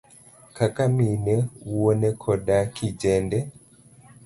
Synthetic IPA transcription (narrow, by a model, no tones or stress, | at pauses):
kakaminɛuwonɛkʰɔdakʰid͡ʒɛndɛ